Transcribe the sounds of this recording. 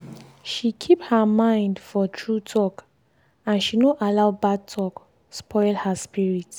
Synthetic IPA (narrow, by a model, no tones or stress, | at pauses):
ʃikʰiphəmãɪ̃ndfɔtʰɹutʰɔk | ãnʃinoʔalaʊbad̚tʰɔk | spʰɔɪlhaspiɹit